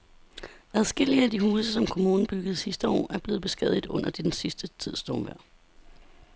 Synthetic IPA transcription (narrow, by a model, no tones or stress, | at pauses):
æð̞ˠsɡ̥e̝l̰iəæd̥ihuːsəsɒ̽mkʰo̝muːn̩b̥yɡ̥əð̞̩ˠsisd̥əɒ̰ːʔæɐb̥le̝ːð̩ˠb̥e̝sɡ̥ɛ̰ð̰ˠid̩ˠɔ̽n̰ɐd̥ed̥ensisd̥ət͡sʰið̞̰ˠsd̥ɔːmʋæɐ̰